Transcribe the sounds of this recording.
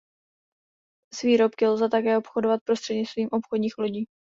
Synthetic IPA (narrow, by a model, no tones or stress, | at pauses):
zviːɾo̞pkɪlzɛt̪akɛːopxodovat̪̚pɾo̞st̪r̥ɛdɲɪt͡st̪viːmʔo̞pxodɲiːxlo̞ɟiː